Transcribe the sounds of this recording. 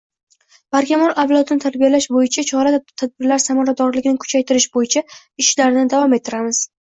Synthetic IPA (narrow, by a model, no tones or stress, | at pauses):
b̥aɾkʲamɒɾavlˠɒt̪ʰɪnɪt̪ʰad̪bijalaʃbojɪt͡ʃʰat͡ʃʰɒɾat̪ʰad̪̚bɪɾlaɾsamɒɾad̪ɒɾlɪɡʲɪnɪkʰʊ̥t͡ʃʰajt̪ʰɪɾɪʃbojɪt͡ʃʰa | ɪʃlaɾɪnɪd̪avɒme̞t̪ʰːɪɾamɪz̥